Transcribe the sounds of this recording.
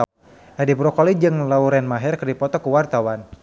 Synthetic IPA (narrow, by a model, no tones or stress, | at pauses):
ʔadibɾɔkɔlid͡ʒɨŋlauɾɛnmaɦɛrkərdipɔt̪ɔkuwart̪awan